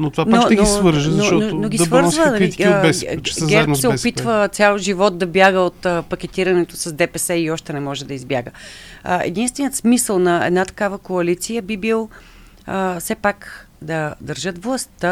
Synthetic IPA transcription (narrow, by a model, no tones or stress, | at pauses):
not̪ovanaoɛnsvəɾʒəzɐoʃɔnonoɡʲivɤɾzvəbɛsszɡʲɛɾɛd̪sɛʊpit̪vət̪sʲalˠʒivɔt̪̚d̪ɐbjaɡəot̪əpɐk̟ʲɛt̪iɾɐnɛt̪osɐsd̪ɛpɛsɛiɔʃt̪ɛnɛmɔʒɛd̪ɐizbjaɡə | ɛ̰d̪inst̪vɛnijət̪smisəlˠnɐɛ̰d̪nat̪ɐ̥kavəkoɐlit̪sijəbibilˠ | sɛpakd̪ɐd̪ɐɾʒɤt̪vlˠɐst̪ə